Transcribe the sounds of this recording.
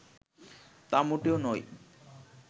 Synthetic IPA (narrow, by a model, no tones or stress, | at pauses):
t̪amuʈeonɔj